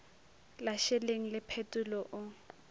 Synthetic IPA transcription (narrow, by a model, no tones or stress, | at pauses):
laʃɛleŋ̩lɪpʰetʼʊlɔʔʊ